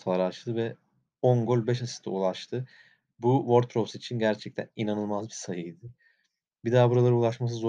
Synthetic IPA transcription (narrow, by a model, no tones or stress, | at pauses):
t̪ʰaaɾat͡ʃt̪ɯvɛ | onɡolʲbɛʃ̬asi̥st̪ʰa̰ulˠaʃt̪ʰɯ | buvo̞ɾt̪̚pʰɾofsit͡ʃʰinɟæɾt͡ʃʰɛc̚t̪ʰæ̰ninanɯlˠmazbisajɯjd̪ɪ | bid̪aːbuɾalˠaɾɯulˠaʃmas̬ɯzo